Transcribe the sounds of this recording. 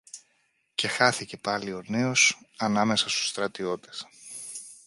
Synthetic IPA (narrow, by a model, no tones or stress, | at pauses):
ce̞xɐθice̞pɐlio̞ne̞o̞sɐnɐme̞sɐst̪u̥st̪ɾɐt̪io̞t̪e̥s